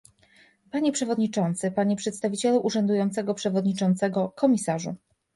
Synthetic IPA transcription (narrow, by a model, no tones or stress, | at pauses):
paɲɛpʂɛvɔd̪ɲit͡ʂɔnt̪sɘpaɲɛpʂɛt̪st̪avʲit͡ɕɛluʔuʐɛnd̪ujɔnt̪sɛɡɔpʂɛvɔd̪ɲit͡ʂɔnt̪sɛɡɔkɔmʲisaʐṵ